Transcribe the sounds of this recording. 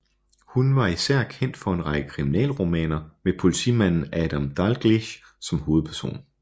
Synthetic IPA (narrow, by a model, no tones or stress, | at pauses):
hunʋɑ̈isæɐ̰kʰen̰d̥fɒ̽e̝nʁɑ̈ɡ̥əkʰʁiminɛ̰ːlʁomɛ̰ːnɐmepʰo̝lit͡sʰḭːmæn̰n̩æd̥æmd̥ɑlɡ̥liɕ | sɒ̽mho̝ːð̞̩ˠpʰæɐso̝̰ːn